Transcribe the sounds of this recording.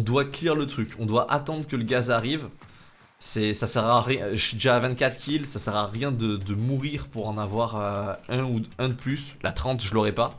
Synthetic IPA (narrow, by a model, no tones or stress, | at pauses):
ɔ̃d̪wakliʁlət̪χykɔ̃d̪waʔat̪ɑ̃d̪ʁəkələɡʲazaʁiv | sɛsasɛʁaʁjɛ̃ʒd̪ʒavɛ̃t̪̚kʲat̪χkʲilsasɛʁaʁjɛ̃d̪əd̪əmuʁiʁpuʁɑ̃navwaʁøɛ̃uɛ̃d̪əplyslʔat̪χɑ̃t̪ʒəlɔʁɛpa